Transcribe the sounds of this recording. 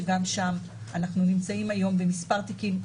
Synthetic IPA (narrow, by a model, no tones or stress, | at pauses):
eɡamʃam | ʔanaχnunimt͡saimajo̞mbemispaʁt̪ikil